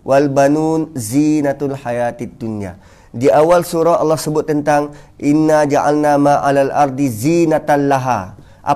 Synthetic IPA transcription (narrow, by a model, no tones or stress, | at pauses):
wʔalbanunzinat̪lħajaːt̪d̪ːunia̰ | diʔawalsuɾɔɑlːɔhsəbʊt̪ːənt̪aŋʔinːad͡ʒaʕa̰lnamaʔalalʔaɾˤd̪izinat̪anlːaɦa̰ | ʔa̰